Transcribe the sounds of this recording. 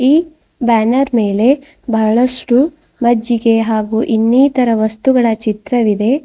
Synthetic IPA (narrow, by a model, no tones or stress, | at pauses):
iː | baːnɐɾme̞ːle̞ | bʱɐɭɐsʈu | mɐd͡ʒːiɡe̞ɦaːɡuːʔinːiːt̪ɐɾɐʋɐst̪uɡɐɭɐt͡ʃit̪ɾɐʋid̪e̞